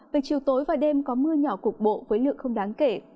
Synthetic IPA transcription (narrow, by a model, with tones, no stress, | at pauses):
ve˨˩t͡ɕḭ˨˩əwt̪o˨˦jvaː˨˩ɗe˧mkɔ˨˦mɨ˧əɲɔ˧˩ku˨˩k̚ɓo̰˧˨vəː˨˦jlɨ̰˧˨əŋxə˧wŋ͡mɗaː˨˦ŋke˧˩